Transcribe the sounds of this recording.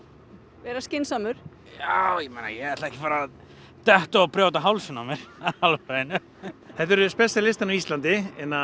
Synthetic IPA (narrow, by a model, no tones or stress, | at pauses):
vɛːɾascɪnsamʏɾ̥ | jawjɛmejna̰jɛɛht̪laɛhcɪ̥faːɾa | t̪ɛht̪aapɾɛːwt̪aɦawlsʏnːamjɛɾ̥alfɾajɪnʏ | θɛht̪ːɛɾʏspɛst̪alɪst̪anaist̪lant̪̬ɪɛnːa